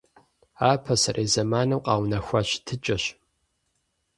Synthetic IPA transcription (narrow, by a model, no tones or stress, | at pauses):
aːpʰɐsɐrʔeːzɐmaːnɐwqʼɑːwnɐxʷɐɕtʰɨt͡ʃʼɐɕ